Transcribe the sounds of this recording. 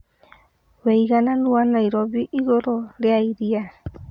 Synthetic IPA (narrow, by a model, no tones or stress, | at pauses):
wɛiɣananuanaiɾɔβiʔiɣoɾoleaiɾia